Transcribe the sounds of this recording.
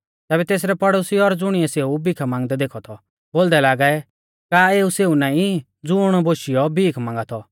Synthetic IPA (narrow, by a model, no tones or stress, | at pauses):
t̪ɛːbɛt̪eːs̬ɾɛpɐɽosiɔɾd͡zʊɽ̃ɪɛseːubikʰamãːŋɡd̪ɛd̪eːkʰɔt̪ʰɔ | boːld̪ɛlaːɡaɛ | kaːeːuseːunãːĩ | d͡zʊːɽ̃ɔboːʃijɔbiːkʰmãːŋɡat̪ʰɔ